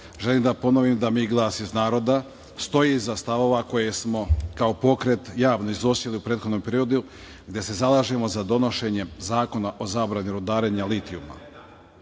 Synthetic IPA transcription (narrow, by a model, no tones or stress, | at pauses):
ʒelimd̪apo̞noʋimd̪amiːɡlˠaːsiznaːɾo̞d̪a | st̪o̞jizast̪aʋo̞ʋako̞je̞smo̞kaopo̞kɾe̞t̪jaːʋnoizosiliupɾeːt̪xod̪nomjpe̞ɾio̞d̪u | ɡd̪ʲje̞se̞zalˠaːʒe̞mo̞zad̪o̞no̞ʃe̞ɲe̞zaːko̞naʔo̞zaːbɾaniɾod̪aːɾe̞ɲalit̪iuma̰